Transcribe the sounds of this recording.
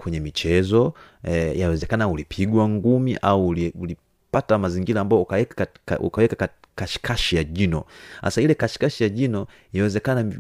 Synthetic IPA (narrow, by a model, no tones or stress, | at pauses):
kwɛɲɛmit͡ʃɛzɔ | jawɛzɛkanaulipʰiɡwaŋɡumiʔauliuli | patamaziŋɡiɾaːmbajɔukaɛkṵkawɛkaka | kaʃi̥kʰaʃijaʄinɔ̰a̰sailɛkaʃi̥kaʃijaʄinɔ | jawɛzɛkana